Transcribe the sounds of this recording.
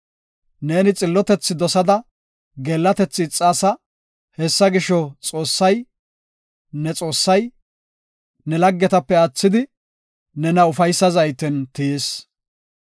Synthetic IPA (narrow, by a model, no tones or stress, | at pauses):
ne̞ːnɪt͡sʼɪlːɔt̪ɛt͡sːɪd̪ɔsɐd̪ɐ | ɡeːlːɐt̪ɛt͡sːɪːt͡sʼːaːsɐ | hɛsːɐɡɪʃɔt͡sʼo̞ːsːɐj | nɛt͡sʼo̞ːsːɐj | nɛlɐɡːɛt̪ɐpːɛɐt͡sːɪd̪ɪ | nɛnɐʊfɐjsːɐzɐjt̪ɛnt̪ɪjes